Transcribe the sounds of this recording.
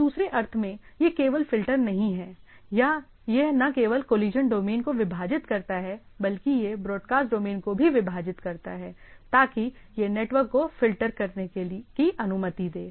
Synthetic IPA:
d̪uːsɾeʔɐɾt̪ʰmẽjekeːʋəlfɪlʈəɾnɐɦĩɦɛːja | jenɐkeːʋəlkoːliːd͡ʒənɖoːmeːnkoʋɪbʱaːd͡ʒɪt̪kɐɾt̪aɦɛ | bɐlkijebɾɔːɖkaːsʈɖoːmeːnkobʱiʋɪbʱaːd͡ʒɪt̪kɐɾt̪aɦɛː | t̪aːkijeneːʈʋəɾkːofɪlʈəɾkɐɾnekekiʔɐnʊmət̪id̪eː

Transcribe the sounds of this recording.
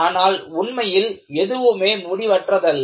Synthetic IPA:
aːnaːlʊɳmɐjɪl | ɛðɯʋɯmeːmʊɽɪʋɐʈrɐðɐl

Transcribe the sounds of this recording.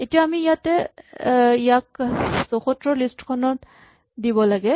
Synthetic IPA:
etijaamiːjat̪ɛ | ijak̚sɔxɔt̪ɹɔlisʈkʰɔnɔt | d̪ibɔlaɡɛ

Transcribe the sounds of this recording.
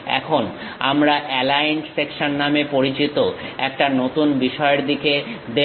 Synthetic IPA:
ɛ̰kʰona̰mɾaʔɛlajnsːekʃonːamepoɾit͡ɕit̪oɛk̚ʈanot̪unbiʃɔeeɾd̪iked̪e

